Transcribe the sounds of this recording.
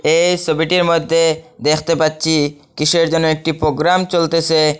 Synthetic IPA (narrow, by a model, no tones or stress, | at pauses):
ejsobiʈiɾmod̪ʱːed̪ekʰt̪epatːɕʰi | kiʃʰeɾd͡ʑonːoek̚ʈipɾoɡɾamt͡ɕolt̪et͡ɕʰe